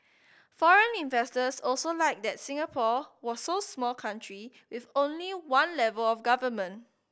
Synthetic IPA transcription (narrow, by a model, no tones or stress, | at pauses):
fɔɹə̃nĩnvɛstəsɔlsolaɪk̚dɛt̚sĩŋəpʰɔwɔsːosmɔlkʰãntʰɹi | wifõnliwãnlɛvəlɔfɡavəmə̃nt